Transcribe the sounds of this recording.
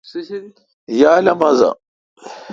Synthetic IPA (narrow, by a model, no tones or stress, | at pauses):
jaːlɐmɐza̰